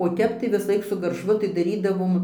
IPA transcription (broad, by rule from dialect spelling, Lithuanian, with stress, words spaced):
oː ˈtʲɛp tɐɪ ʋʲɪsɐˈlˠɐɪk sʊ ɡɐrˈʃʋʊ tɐɪ dɐˈrʲiːdɐʋoːm